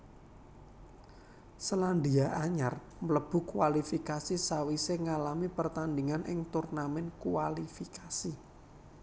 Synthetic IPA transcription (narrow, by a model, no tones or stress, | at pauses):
səland̪iaʔaɲar | mələb̥ṳkwalifikasisawiseŋalamipərt̪and̪iŋanʔɪ̰ŋt̪urnamɛnkuwalifikasi